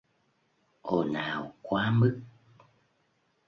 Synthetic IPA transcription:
ʔo˨˩naː˨˩wkwaː˨˦mɨ˦˥k̚

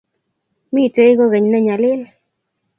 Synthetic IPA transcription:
mɪ˦˨te˦ɡo˦ɣe˨ɲna˦ɲa˨lɪ˦l

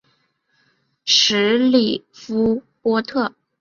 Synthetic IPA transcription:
ʂɻ̩˧˥li˨˩fu˥ | pwɔ˥t̪ʰɤ˥˩

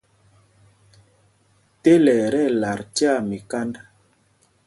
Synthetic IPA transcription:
te˦lɛ˨ɾɛ˦˨la˨ɾti˦a˦˨mi˨ka˦nda˦

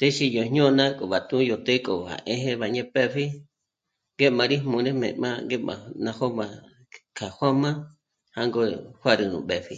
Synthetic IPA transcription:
t̪e˦ʃi˧jo˨ɲõ˦nã˦kʼo˨βa˨t̪ũ˦jo˧t̪e˦kʼo˨ha̰˨ʔẽ˦ɦẽ˧βa˨ɲẽ˦pɛ˦ɸi˦ | ŋɡe˦mã˧ɾi˦mũ˧nẽ˦mḛ̃˨ʔmã˦ŋɡe˦mã̰˨nã˧ho˦mã˧ | kʰa˨hʷã˦mã˦ | ha˧ŋɡo˧hʷa˦ɾɨ˧nṵ̃˨ɓɛ˨ɸi˧

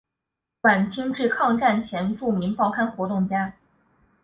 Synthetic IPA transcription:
kwa˨˩nt͡ɕʰi˥ŋʈ͡ʂɻ̩˥˧kʰɑ˥˧ŋʈ͡ʂa˥˩nt͡ɕʰjɛ˧˥nʈ͡ʂu˥˩mi˧˥npɑ˥˩ʊkʰa˥nxwɔ˧˥t̪ʊ˥˩ŋt͡ɕja˥

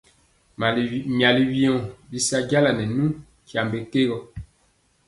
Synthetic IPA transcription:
mja˨li˦wi˦ɔ̃˨bi˦sa˦ɟa˦la˨nɛ˨nũ˦ | kja˨mbe˨ke˦ɣɔ˨

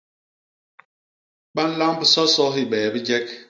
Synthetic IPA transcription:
ɓa˦n̩˦la˦ŋ˦pi˨sɔ˦sɔ˦i˦ɓɛː˨bi˦d͡ʒɛ˦k̚

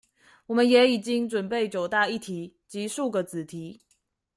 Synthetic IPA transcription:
wɔ˨˩mə˦njɛ˨˧˥i˨˩t͡ɕi˥ŋʈ͡ʂwə˨˩npe˥˩ɪt͡ɕjo˨˩ʊt̪a˥˧i˥˩t̪ʰi˧˥˦ | t͡ɕi˧˥ʂu˥˩ɡə˨˩t͡sɹ̩˨˩t̪ʰi˧˥

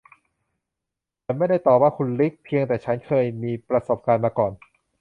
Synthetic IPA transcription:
a˧˩nma˥˩jda˥˩jt̪ɔː˨˩p̚waː˥˩kʰu˧nli˦˥k̚pʰi˧əŋt̪ɛː˨˩t͡ɕʰa˦˥nkʰɤː˧jmiː˧pɾa˧so˨˩p̚kaː˧nmaː˧kɔː˨˩n

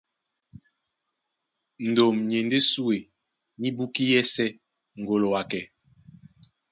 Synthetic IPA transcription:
n̩˨do˨mɲ˨e˨nde˦su˦e˨ | ɲi˦bu˦ki˦jɛ˦sɛ˦ | ŋ˨ɡo˨lo˨wa˨kɛ˨

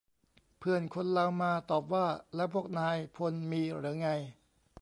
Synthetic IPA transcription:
pʰɯ˧˩ənkʰo˧nla˧wmaː˧t̪ɔː˨˩p̬̚waː˥˩lɛ˦˥pʰuː˥˩ək̚naː˧jpʰo˧nmiː˧ɾɯ˩˦ŋa˧j

